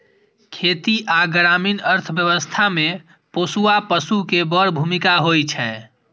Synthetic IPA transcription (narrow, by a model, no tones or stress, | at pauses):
kʰet̪iʔaɡɾaminəɾt̪ʰəbjəwəst̪ʰame | posuapəsukebəɽbʱumikaɦojt͡ʃʰɛ